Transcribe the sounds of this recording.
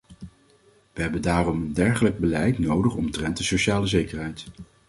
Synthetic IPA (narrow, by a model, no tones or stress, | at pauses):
ʋəɦɛbəndaːrɔməndɛɹχələɡ̚bəlɛjtnowdəχɔmtrɛnt̚dəsoʃaːləzejkəɹɦɛjt